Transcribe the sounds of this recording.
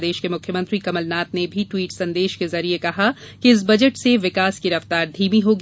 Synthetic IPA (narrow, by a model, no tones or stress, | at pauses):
d̪eːʃkemʊkʰjəmɐ̃nt̪ɾikɐməlnaːt̪nebʱiʈwiːʈsɐ̃nd̪eːʃkezɐɾiekɐɦa | kiɪs̬bɐd͡ʒəʈseʋɪkaːskiɾɐft̪aːɾd̪ʱiːmiɦoːɡ